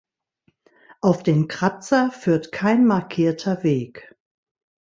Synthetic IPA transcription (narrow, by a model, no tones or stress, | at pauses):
ʔaʊfd̥eːnkʁ̥at͡sɐfyːɐtkʰaɪnmaɐkʰiːɐtʰɐveːk